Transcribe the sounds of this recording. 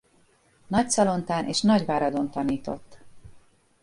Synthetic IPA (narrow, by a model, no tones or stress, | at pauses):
nɒc̚sɒlo̞nt̪aːnʔeːʃnɒɟvaːɾɒd̪o̞nt̪ɒniːt̪o̞̰t̪ː